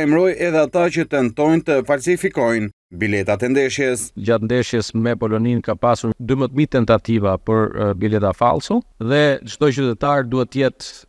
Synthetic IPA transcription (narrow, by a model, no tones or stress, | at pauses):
jmɾɔjɛðɛat̪at͡ʃət̪ɛnt̪ɔjnt̪əfalsifikɔjn | bilɛt̪at̪ɛnd̪ɛʃjɛsd͡ʑat̪̚nd̪ɛʃjɛsmɛpɔlɔninkapasuɾd̪ymət̪mit̪ɛnt̪at̪ivapəɾbilɛt̪afa̰lsuðɛt͡ʃt̪ɔt͡ʃyt̪ɛt̪aɾd̪uhɛt̪ːəjɛt̪